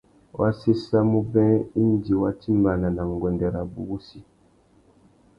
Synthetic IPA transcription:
wʔa˦se˦sa˦mu˦bɛ̃˦i˦n˦di˨wa˦ti˦mba˨na˨na˨ŋ˨ɡwɛ˨ndɛ˨ɾa˨bṵ˨ɡu˦si˦

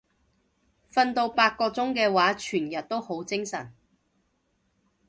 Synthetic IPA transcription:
fɐ˧nt̪o˧wpaː˧t̚kɔː˧t͡sʊ˥ŋkɛː˧waː˨˥t͡ʃʰyː˨˩njɐ˨t̚t̪o˥who˨˥wt͡sɪ˥ŋsɐ̰˨˩n

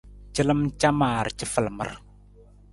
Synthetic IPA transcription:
t͡ʃə˦lə˦mt͡ʃa˦maː˨ɾt͡ʃə˦fə˨lmə̰˦ɾ

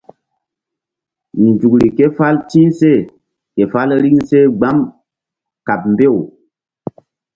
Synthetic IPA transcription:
ni˨n˨d͡ʒu˨kɾi˨ke˦fa˦lti˦se˦˨ | ke˨fa˦lɾi˦ŋse˦ɡ͡ba˦m | ka˨p̚m˨be˦˨w

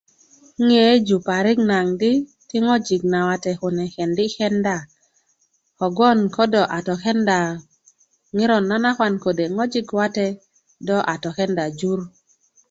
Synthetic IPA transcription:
ŋe˨˦d͡ʒu˨pa˨ɾɪ˦ɡna˨ŋdɪ˦ | tɪ˦ŋɔ˦d͡ʒi˨ɡ̚na˨wa˨tɛ˨kʊ˨nɛ˨kɛ˨ndɪ˦kɛ˦nda˨ | kɔ˨ɡɔ˦nkɔ˦dɔ˨ʔa˨tɔ˨kɛ˦nda˨ | ŋɪ˦ɾɔ˨nːa˦na˦kwa˨nko˨de˨ŋɔ˦d͡ʒi˦ɡwa˦tɛ˦ | dɔ˦ʔa˨tɔ˨kɛ˦nda˨d͡ʒu˦ɾ

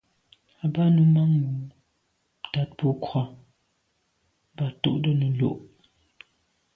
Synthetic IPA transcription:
a˨ba˦nə˨ma˦ŋwu˨ | ta˦t̚po˦kʰwɔ˦ | ba˨tṵ˦˨ʔdə˦nə˨lo̰˦˨ʔ

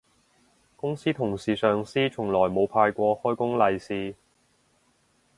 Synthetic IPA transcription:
kʊ˥ŋsiː˥t̪ʰʊ˨˩ŋsiː˨sœː˨ŋsiː˥t͡ʃʰʊ˨˩ŋlɔː˨˩jmo˨˧wpʰaː˧jkʷɔː˧hɔː˥jkʊ˥ŋlɐ˧jsiː˧

